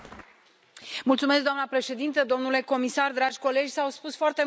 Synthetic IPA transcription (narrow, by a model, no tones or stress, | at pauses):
mult̪sumeskd̪oanəpɾe̞ʃe̞d̪int̪əd̪o̞mnule̞ko̞misard̪ɾad͡ʒʲko̞le̞d͡ʒʲsawspusfoart̪e̞